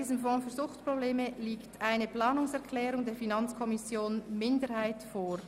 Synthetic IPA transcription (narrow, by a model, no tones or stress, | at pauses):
iːzəmfɔ̃ːfyːɐzʊχtpʁobleːməliːktaɪnəplɑːnʊŋsɛʁkʰlɛːɾʊŋdeːɾfinɑnt͡skʰɔmɪsjoːnmɪndəɾhaɪtfoːɾ